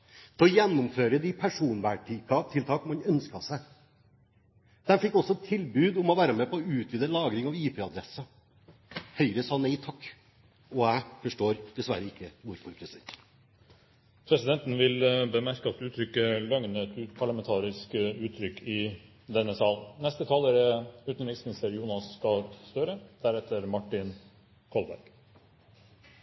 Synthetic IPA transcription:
d̪̥ʰɛɔjɛnːʊmføːɾəd̪ɪpʰæʂuːnʋæːʈʰɪkʰɑt̪ʰɪlt̪ʰɑːkmɑnœnskɑsæ | d̪̥ɛnfɪkːɔsɔt̪ʰɪlbʉːd̪ʊmɔʋæːɾəmɛːpɔɔʉːt̪ʰʋiːd̪əlɑːɡɾɪŋɑʋiːpʰeːɑd̪ɾɛsːə | hœʏɾəsɑːnɛɪt̪ʰɑkː | ɔæɪfɔʂʈoːɾd̪̥ɛsʋæ̰ɾːəɪkːəʋʊɾfɔɾpʰɾɛsɪd̪ɛnt̪ | pʰɾɛsɪd̪ɛnt̪n̩ʋɪlbəmæɾkəɑt̪̚d̪ʉːt̪ʰɾʏkːəlœŋnət̪ʉpʰɑɭɑmɛnt̪ʰɑːɾɪskəʉːt̪ʰːɾʏkʰːɪ | d̪ɛnːəsɑːlnɛst̪ət̪ʰɑːləɾəʉːt̪nɾɪsnɪsəɾjuːnɑskɑst̪øɾəd̪̥æɾɛt̪ːəɾmɑʈːɪn | kʰɔlbæ̰ɾɡ̥

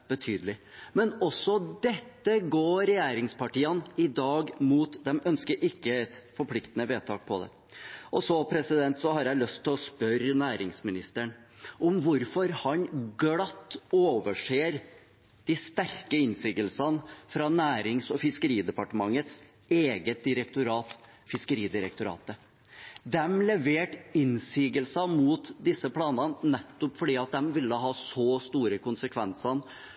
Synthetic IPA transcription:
b̥ət̪ʰyːd̪əlɪmɛnɔsːɔd̪ɛt̪ːəɡoːɾɛjeːɾɪŋspɑʈiːənɪd̪ɑːɡmuːt̪d̪ɛmœnskəɾʔɪkːəɛt̪fɔɾpʰlɪkt̪ənəʋeːt̪ʰɑ̰ːk̚pʰɔd̪ɛ̰ | ʔɔsɔpʰɾɛsɪd̪ɛnt̪sɔhɑɾjæɪlœst̪ʰːɪlɔspœɾnæːɾɪŋsmɪnɪst̪əɳʔʊmʋʊɾfɔɾhɑnɡlɑt̪ːoːʋəʂeːɾ | d̪̥ist̪æɾkəɪnsiːɡəlsɑnfɾɑːnæːɾɪŋsɔfɪskəɾiːd̪ɛpɑʈəmɑŋːət̪s | eːɡət̪̚d̪ɪɾɛk̚t̪ʊɾɑːt̪ | fɪskəɾiːd̪ɪɾɛk̚t̪ʊɾɑ̰ːt̪ə | d̪ɛmlɛʋeːʈɪnsiːɡəlsɑmuːt̪d̪ɪsːəpʰlɑːnɑnnɛt̪ːʊpfɔɖiːɑt̪̚d̪ɛmʋɪlːəɦɑːsɔst̪uːɾəkʊnsəkʰʋɛnsɑn

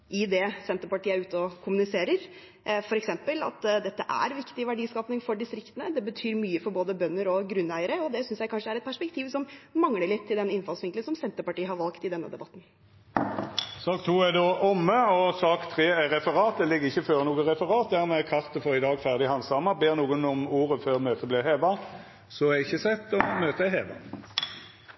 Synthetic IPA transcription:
ʔɪd̪ɛsɛnt̪əpɑʈiːəɾʉːt̪əɔkʰʊmʉnɪseːɾəɾ | fɔɾɛksɛmpəlɑ̰t̪d̪ɛt̪ːəʔæ̰ɾʋɪkt̪ɪʋæɖiːskɑːpnɪŋfɔɖɪst̪ɾɪkt̪ənəd̪ɛbət̪ʰyːɾmyːəfɔɾboːd̪əbœnːəɾɔɡɾʉnːæɪəɾəɔd̪ɛsʏnsjæɪkʰɑnʂəæɾɛt̪̚pæʂpɛk̚t̪ʰiːʋsɔmmɑŋləɭɪt̪ʰːɪld̪ɛnɪnfɑlsʋɪŋklənsɔmsɛnt̪əpɑʈiːəɦɑɾʋɑlkt̪ɪd̪ɛnːə̰d̪ɛbɑt̪ːn | sɑːkt̪ʰuːæd̪oːʔɔmːəɔsɑːkt̪ʰʁeːæʁɛfəʁɑːt̪̚d̪ɛlɪɡːəʁɪçːəføːʁnuːɡəʁɛfəʁɑːt̪̚d̪æʁmɛkʰɑʁt̪əfɔʁɪd̪ɑːɡfæʁd̪ɪhɑnsɑmːɑbeːʁnuːɡənɔmuːʁəføːʁmøːt̪əblɪheːʋɑ | sɔɛɪçːəsɛt̪ːɔmøːt̪əæheːʋɑ̰

